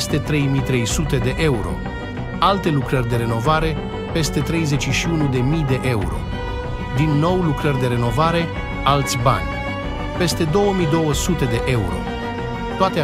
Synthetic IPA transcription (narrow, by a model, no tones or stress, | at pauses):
st̪e̞t̪ɾe̞jmijt̪ɾe̞jsut̪e̞d̪e̞ʔe̞uɾo̞̰ | alt̪e̞lukɾərʲd̪e̞ɾe̞no̞vaɾe̞ | pe̞st̪e̞t̪ɾe̞jze̞t͡ʃʃiunud̪e̞mijd̪e̞ʔe̞ṵɾo̞̰ | d̪inːo̞wlukɾərʲd̪e̞ɾe̞no̞vaɾe̞ | alt̪sʲba̰nʲ | pe̞st̪e̞d̪o̞wəmijd̪o̞wəsut̪e̞d̪e̞ʔe̞uɾo̞̰ | t̪oat̪e